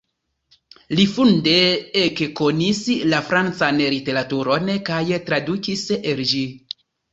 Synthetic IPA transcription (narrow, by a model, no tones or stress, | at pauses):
lifundeekkonislafɾant͡sanlite̞ɾatuɾonkajtɾadukiseld͡ʒi